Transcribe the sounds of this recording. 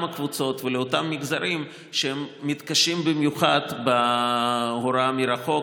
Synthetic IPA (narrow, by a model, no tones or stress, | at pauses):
mɐkvut͡so̞t̪veleot̪amːiɡzaɾim | ʃeemːit̪kaʃimbimjuχad̪ba | ɦoɾamiɾaχo̞k